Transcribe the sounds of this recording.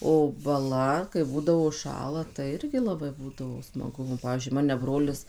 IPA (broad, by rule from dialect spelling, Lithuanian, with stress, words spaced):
oː bɐˈlˠɐ kɐɪ ˈbuːdɐʋoː ʊʃˈʃɑːlˠɐ tɐɪ ˈɪrʲɡʲɪ lˠɐˈbɐɪ ˈbuːdɐʋoː smɐˈɡʊ nʊ ˈpɑːʋʲiːzʲd͡ʒʲʊɪ ˈmɑːnʲɛ ˈbroːlʲɪs